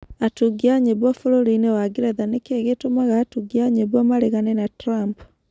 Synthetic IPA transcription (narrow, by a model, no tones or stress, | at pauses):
atuɡiaɲeβwɔfoɾoɾoinewaɡiɾɛðanekeɣetomaɣaːtuɡiaɲeβwamaɾeɣanɛnatɾamp